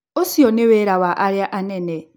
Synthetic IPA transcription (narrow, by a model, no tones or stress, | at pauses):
osiɔneweɾawaʔaɾjaʔanɛnɛ